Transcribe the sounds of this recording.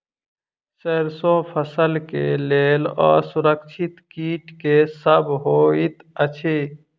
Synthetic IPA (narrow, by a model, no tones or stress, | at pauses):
seɾsõpʰəsəlkḛlelə̰suɾəkt͡ʃʰit̪kiʈkesəbʱɦoit̪ət͡ʃʰi